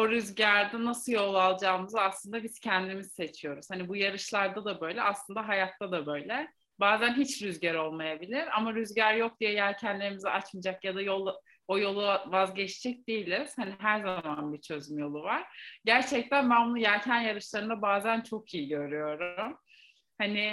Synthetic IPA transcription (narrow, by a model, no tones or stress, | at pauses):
oɾyzɟæɾd̪ɛnasɯljo̞lˠalˠd͡ʒaːmɯzaslˠɯnd̪abiz̥cʰɛnd̪imizse̞t͡ʃʰijo̞ɾuz̥hanibujaɾɯʃlˠaɾd̪ad̪abø̞jlʲɛʔaslˠɯnd̪aɦajat̪ʰːad̪abø̞jlʲɛ | baːzænɦit͡ʃɾyzɟæɾo̞lˠmajabilʲiɾamaɾyzɟæɾjo̞k̚d̪ijɛjæɾcʰænlʲeɾimizɛʔat͡ʃmad͡ʒakjad̪ajo̞lˠ | ojo̞lˠuvazɟɛt͡ʃd͡ʒɛc̚d̪ejilʲiz̥haniɦæɾzamanbit͡ʃʰø̞zmyjo̞lˠuvaɾ̥ɟæɾt͡ʃʰɛc̚t̪ʰænbænbujæɾcʰænjaɾɯʃlˠaɾɯnd̪abaːzænt͡ʃʰo̞kʰijiɟø̞ɾyjo̞ɾum | hanɪ